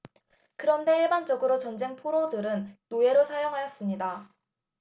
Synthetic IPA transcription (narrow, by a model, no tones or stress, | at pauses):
kɯɾʌnde̞iɭband͡ʑʌɡɯɾot͡ɕʌnd͡ʑe̞ŋpʰoɾodɯɾɯnːoe̞ɾosʰajoŋɦajʌs͈ɯmɲida